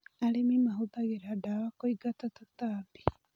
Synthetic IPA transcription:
alimimaɦut̪aɣeɾaɖaβakoiɡat̪at̪akt̪abi̥

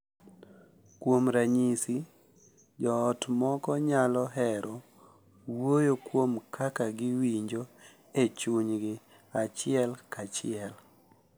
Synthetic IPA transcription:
kwomɾaɲisi | d͡ʒɔːtmɔkɔɲalɔɦɛɾʔɔ | wojokwomkʰakaɡɪwiɲd͡ʒo | et͡ʃuɲɡɪ | at͡ʃɪɛlkat͡ʃɪɛl

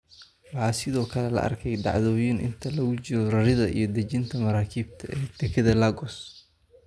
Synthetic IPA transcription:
wɑħɑːsɪðɔːkʰɐlɛlɐ̰ʔɐ̰rkʰɛjd̪ɑ̰ʕðɔːjinɪ̰nt̪ʰɐlɐɣʊt͡ʃɪɾɔrɐɾɪðɐʔḭjɞd̪ɐt͡ʃɪnt̪ʰɐmɐɾaːkʰiːbt̪ʰɐʔɛːd̪̥ɛkʰɐðɐlɐɡɔs

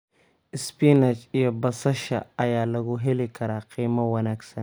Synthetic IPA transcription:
ɪspinɐt͡ʃɪjɔbɐsɐʃa̰ɐjaːlɐɡuɦɛlikʰɐɾaqiːmɐwɐnaːksɐn

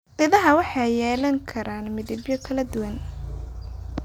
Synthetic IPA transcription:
ʔɪðɐɦɐwɑħɑjjɛːlɐŋkʰɐɾaːnmɪðɪbjɔkʰɐlɐd̪ʊwɐn

